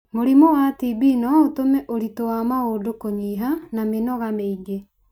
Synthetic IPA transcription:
moɾimowatibinɔotomɛʔoɾitowamaoːdokoɲiːɦanamenɔɣameiɡe

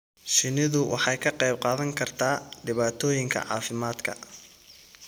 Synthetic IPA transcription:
ʃɪnɪðʊwʔɑ̰ħɑjkʰɐqɛjb̚qɑːðɐŋkʰɐrt̪ʰaːɖɪβaːt̪ʰɔːjɪŋkʰɐ̰ʕɑ̰ːfɪmaːd̪kʰɐ̰

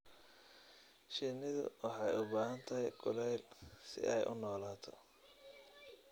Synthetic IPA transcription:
ʃɪnɪðʊ̰wʔɑħɑjʊbaːɦɐnt̪ʰɐɦɛjɡʊlɛjlsɪ̰ʔɛjʔʊ̰nɔːlaːt̪ʰɔ̰

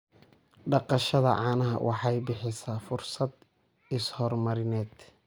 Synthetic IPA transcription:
ɖɑqɑʃɐðɐ̰ʕɑːnɐɦɐ̰wʔɑħɑjbɪħɪsafʊrsɐd̪ | ɪshɔrmɐɾɪnɛːd̪̥

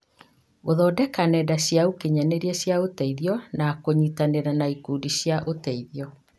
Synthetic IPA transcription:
oðɔːdɛkanɛdaɕjaukeɲaneɾiɛɕjaotɛiðiɔnakoɲitaneɾanaikudiɕjaʔotɛiðjɔ

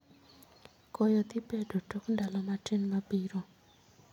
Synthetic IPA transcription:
kɔjɔt̪ipedʱotokundalɔmatenmabiɾɔ

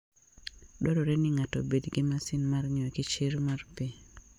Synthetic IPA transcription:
dɔɾɔɾɛnɪŋatɔbedɡɪmasɪnmarɲɛkɪt͡ʃɪɾmarpi

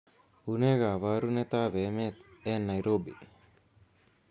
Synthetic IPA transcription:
uneɡaʋaɾunet̪aʋemet̪ɛnːajɾobḭ

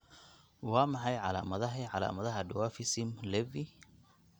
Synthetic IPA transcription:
wɑːmɑħɑjʕɑla̰ːmɐðɐɦiʕɑla̰ːmɐðɐɦɐɖʊwaːfɪsɪmlɛvi

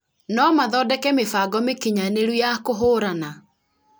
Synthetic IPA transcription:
nɔmaðɔdɛkɛmefaɡɔmekiɲaneɾwujakoɦoɾana

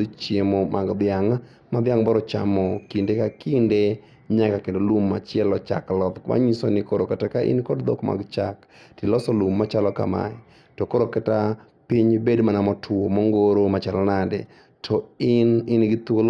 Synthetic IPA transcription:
t͡ʃjemomʔa̰ɡd̪ɪaŋ | madɪjaŋbɔɾɔt͡ʃa̰mɔkindekakinde | ɲakakendolumːat͡ʃɪɛlɔt͡ʃa̰klɔt̪ma̰ɲisonɪkoɾokɛtakaʔɪ̰nkɔdd̪ɔkma̰ɡt͡ʃak | tilɔsɔlumːat͡ʃalɔka̰ma̰ɛ | tɔkoɾokɛta | piɲbedmanamɔtʰʊomɔŋɡoɾomat͡ʃalɔnadɛ̰ | tʰɔɪnɪnɡɪt̪ol

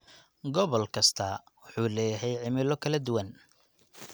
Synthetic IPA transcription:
ɡɔβɔlkʰɐst̪ʰɐ | wʊħuːlɛːjɦɛjʕɪmɪlɔkʰɐlɐd̪ʊwɐn

